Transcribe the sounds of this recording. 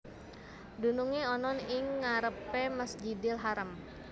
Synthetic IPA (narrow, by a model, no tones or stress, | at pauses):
dunuŋeɔnɔnɪŋːaɾəpeməsd͡ʒidɪlɦaɾəm